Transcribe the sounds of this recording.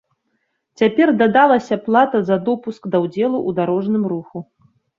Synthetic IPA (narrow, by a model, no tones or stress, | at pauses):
t͡sʲapʲɛrd̪ad̪alˠɐsʲɐplˠat̪ɐzɐd̪ɔpuskd̪ɐwd͡zʲɛlˠuʔud̪aɾɔʐnɨmɾuxu